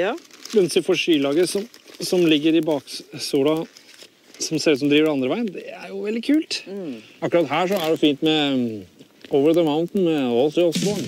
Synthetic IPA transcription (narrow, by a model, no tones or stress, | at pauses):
mɛnsɪfɔʂyːlɑːɡəsɔmsɔmlɪɡːəɾɪbɑːksuːɾɑ | sɔmseːlʉsɔmd̪ɾiːʋəɖɛɑnd̪ɾəʋæɪnd̪ɛæɾjʊʋɛlɪkʰʉːlt̪ɑkːɾɑt̪hæːʂɔæɖɛfiːnt̪mɛ | oːʋəɾd̪əmaʊnt̪n̩mɛɔsɪɔsb̪ɑn